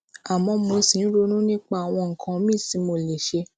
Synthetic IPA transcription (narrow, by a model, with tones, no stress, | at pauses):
a˨mɔ̃˧mo˧˦sĩ˨˦ɾo˧˦nũ˦nĩ˦k͡pa˦˨a˨w̃ɔ̃˧ŋ̩˨kʰã˧˦mĩ˦˨si˨˧˦mo˧˨le˨ʃe˧